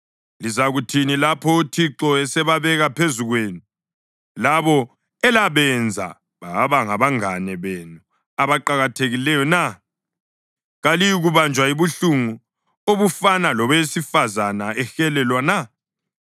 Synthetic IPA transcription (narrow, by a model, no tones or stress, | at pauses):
lizaɣutʰinilapʰɔutʰiǁɔɛsɛβaβɛɣapʰezuɣweːni | laβɔ | ɛlaβɛnd͡zʱa̰ | βaβaŋaβaŋanɛβenu | aβaǃaɣatʰeɣilɛjɔna | ɣalijiɣuβand͡ʒʱwaiβuɬuŋu | oβufanalɔβeesifazanaɛxɛlɛlwana